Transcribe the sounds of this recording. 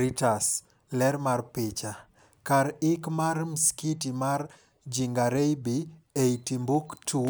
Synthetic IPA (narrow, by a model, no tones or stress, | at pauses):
ɾitas | lɛɾmarpɪt͡ʃa | kaɾɪkmaɾmskitimaɾ | d͡ʒiŋɡaɾejbi | etimbuktʰu